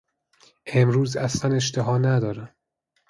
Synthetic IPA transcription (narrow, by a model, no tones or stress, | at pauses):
ʔe̞mɾuːzæslæne̞ʃt̪ʰeɦɒːnæd̪ɒːɾæm